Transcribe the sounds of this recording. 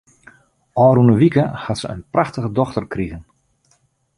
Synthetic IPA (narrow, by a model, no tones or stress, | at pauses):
ʔɔːɾunəʋikəhatsəə̰npraxtəɣədɔxtərkriɣən